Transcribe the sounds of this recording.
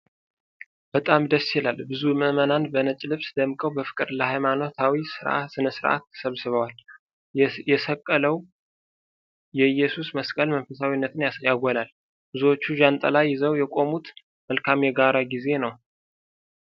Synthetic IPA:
b̥ət̪ʼamd̪əsjɪlalbɨzuməmənanbənət͡ʃʼlɨβsd̪əmkʼəwbəfɨ̥kʼɨɾləhajmano̞t̪ʰawisɨɾʔa̰tsɨnəsɨɾʔa̰t̪ʰːə̥səβsɨβəwal | jɛsəkʼːələw | jɛɨjːɛsusməskʼəlmənfəsawinːət̪ʰɨnjaɡʷɔlal | bɨzuwot͡ʃːuʒant̪ʼə̰lajːɪzəwjɛkʼo̞mut̪ | məlkʰamjɛɡaɾaɡize̞nəw

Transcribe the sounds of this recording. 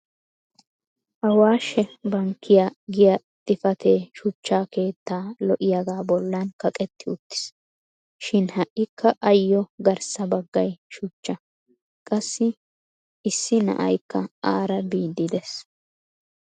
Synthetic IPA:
ʔɐwaːʃɛbɐŋkːɪjaɡɪjɐ | t̪ʼɪfɐt̪ʰeːʃʊt͡ʃːaːke̞ːt̪ːaːlɔʔɪjaɡaːbɔlːɐnkɐkʼɛt̪ːɪʊt̪ːɪ̥s | ʃɪnhɐʔːɪkʰːɐʔɐjːɔɡɐɾsɐbɐɡːɐjʃʊt͡ʃːɐ | kʼɐsːɪ | sːɪnɐ̰ʔɐ̰jkːɐaːɾɐbiːd̪ːɪd̪ɛs

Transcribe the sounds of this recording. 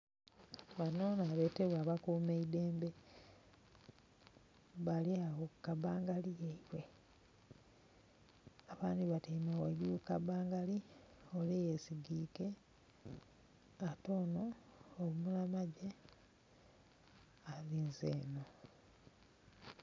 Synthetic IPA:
βano̞naβeːteβwaːβakuːmeideːmbe | βaliaβokːaβaːŋɡalijeiβwe̞ | aβaːndiβateimoweɟuukabaːŋɡali | olejesiɡiːke̞ | ato̞ːnoːmunamaɟe | aðiːnzeːno

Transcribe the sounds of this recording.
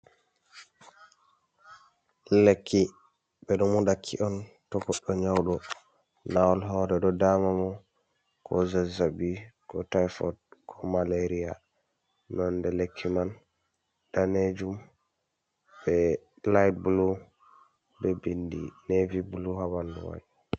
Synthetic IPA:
lekʰːi | bɛɗɔmudakʰːḭʔɔntɔɡɔɗːɔɲawɗɔ | nawɔlɦɔːɾɛɗɔdamamɔ | kʰɔzɛzabikɔtajfɔdkʰɔmaleɾia̰ | nɔndɛlekʰːiman | d̥aned͡ʒum | bɛ | laj̚bulu | bɛbindḭnevibuluhawanduwa̰j

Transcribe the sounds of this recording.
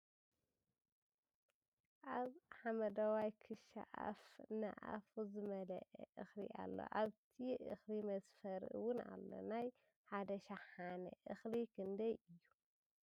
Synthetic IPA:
ʔaβħamɐd̪ɐwajkʰɨʃa̰ʔa̰fnɐ̰ʔa̰fuzɨmɐlɐ̰ʔɛ̰ʔɨxlḭʔa̰lːo̰ʔaβt̪ʰiʔɨ̰xlimɐsfɐɾɨ̰wʊna̰lːo̞̰naj | ħad̪ɐʃaħanɐ̰ʔɨxlikʰɨnd̪ɐjʔɨjːu

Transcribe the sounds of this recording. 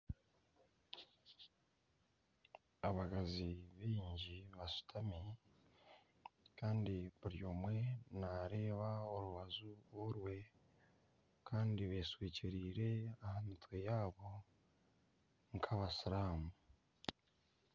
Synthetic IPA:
aβaɡaziβiːɲɟiβasu̥tʰami | kʰaːndiβuɾjo̞ːmwe̞naɾe̞ːβao̞ɾuβazuoɾwe̞ | kʰaːndiβe̞ːswiːciɾiːɾe̞ahamitwejaːβo̞ | ŋkʰaβasiɾaːmu

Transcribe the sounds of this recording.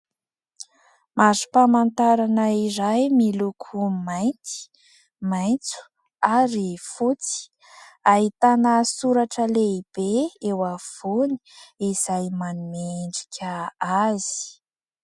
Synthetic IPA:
mazu̥pamant̪aɾanəiɾajmilukʰumajnt̪i̥ | majnt͡su̥ | aɾifut͡si̥ | aɦit̪anəsuɾaʈ͡ʂəleib̥eewav̥oni̥iz̥ajmanumeɳɖ͡ʐi̥kʲʰəazi̥i̥

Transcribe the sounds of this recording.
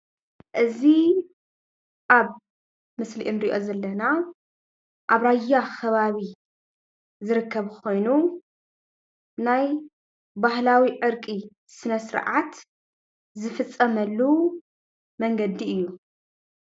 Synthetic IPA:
ʔɨzi | ʔaβ | mɨslḭʔɨnɾiʔo̞̰zɐlːɐna | ʔaβɾajːaxʰɐβaβi | zɨɾɨkʰːɐβkʰo̞jnu | naj | bahlawiʕɨɾkʼi | sɨnɐsɨɾʕat̪ | zɨfɨt͡sʼːɐmɐlːu | mɐŋɡɐd̪iɨjːu

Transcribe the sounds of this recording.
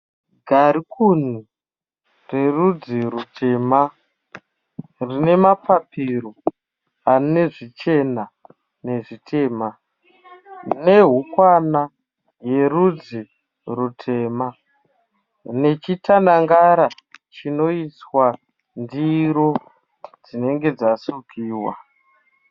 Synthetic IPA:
ɡʱaɾikʰun̤i | re̞rud͡ziɾutʰe̞ːma | rine̞mapapʰiɾo | anine̞ʐit͡ʃe̞na | ne̞ʐitʰe̞ːma | ne̞ɦukwana | je̞ɾud͡zi | rutʰe̞ːma | ne̞t͡ʃitanaŋɡaɾat͡ʃino̞iswa | ndiɾo̞ | d͡zine̞ŋɡe̞d͡zasukʰiːwa̰

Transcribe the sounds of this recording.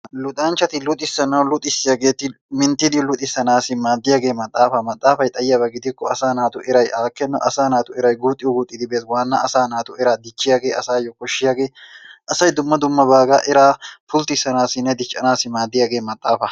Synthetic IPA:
lʊt̪ʼaːnt͡ʃːɐt̪ɪlʊt̪ʼɪsːɐnɐwlʊt̪ʼːɪsːɪjaːɡe̞ːt̪ːɪ | mɪnt̪ːɪd̪ɪlʊt̪ʼɪsːɐnaːsɪmaːd̪ːɪjaːɡe̞ːmɐt̪ʼːaːfɐmɐt̪ʼːaːfɐjt̪ʼɐjɪjabɐɡɪd̪ɪkːɔɐsaːnaːt̪ʊʔɛɾɐjʔaːkːɛnːɐ̰ʔɐsaːnaːt̪ʊɛɾɐjɡuːt̪ʼːɪjɔɡuːt̪ʼːɪd̪ɪbeːt̪waːnːɐʔɐsaːnaːt̪ʊɛɾaːd̪ɪt͡ʃːɪjaːɡe̞ːɐsaːjɔkɔʃːɪjaːɡeːʔɐsɐjd̪ʊmːɐd̪ʊmːɐbaːɡaʔɛɾaːfʊlt̪ɪsɐnaːsɪnːɛd̪ɪt͡ʃʼːɐnaːsɪmaːd̪ːɪjaːɡe̞ːmɐt̪ʼːaːfɐ

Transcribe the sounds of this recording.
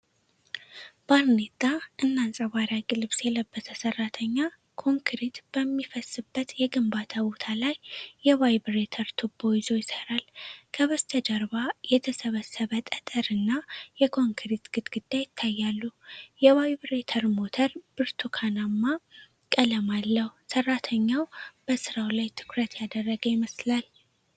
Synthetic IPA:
baɾnet̪ːaʔɨnːansʼəwaɾakʼilɨβsjɛləbːət̪ʰːəsərːat̪ʰəɲːa | kʰo̞ŋkɾit̪b̥əmːifəsːɨbːət̪jɛɡɨmbat̪ʰabo̞t̪ʰalajːɛwajbɾet̪ʰəɾt̪ʰubːo̞jɪzo̞jɪsəɾalkʰəβəst̪ʰəd͡ʒəɾbajɛt̪ʰəsəβəsːəβət̪ʼət̪ʼəɾɨnːajɛkʰo̞ŋkʰɾit̪ɡ̥ɨt̪ɡ̥ɨd̪̥ːajɪt̪ʰːajːalːujɛwajbɾet̪ʰəɾmo̞t̪ʰəɾbɨɾt̪ʰukʰanamːa | kʼələmalːəhusərːat̪ʰəɲːawb̥əsɨɾawlajt̪ʰɨ̥kɾət̪jad̪ərːəɡəjɪməslal

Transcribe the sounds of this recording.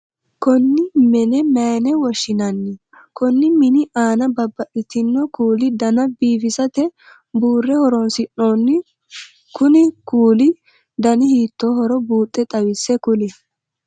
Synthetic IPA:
kɔnːɪmɛnɛmɛːnɛwɔʃɪnɐnːɪ | kɔnːɪmɪnɪʔaːnɐbɐbːɐʔɪt̪ɪnːɔkuːlɪd̪ɐnɐbiːfɪsɐt̪ɛ | buːrːɛhɔɾɔnsɪnːoːnːɪ | kʊnɪkuːlɪ | d̪ɐnɪhiːt̪ːoːhɔɾɔbuːt̪ʼːɛt̪ʼɐwɪsːɛkʊlɪ

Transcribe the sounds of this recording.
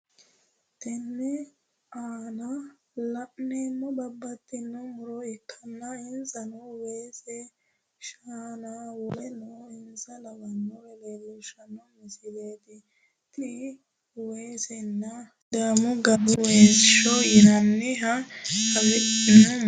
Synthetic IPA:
t̪ɛnːɛ | aːnɐ | lɐʔneːmːɔbɐbːɐt̪ːɪnːɔmʊɾɔɪkʰːɐnːɐɪnsɐnɔweːsɛ | ʃaːnawɔlɛnoɪnsɐlɐbɐnːɔwɛleɡuːʃɐnːɔmɪsɪd̪eːt̪ɪ | t̪ɪ | weːsɛnːɐ | d̪aːmʊɡɐbʊweːsɪʃɔjɐnːɪɦɐkɐwɪʔɪnɔ

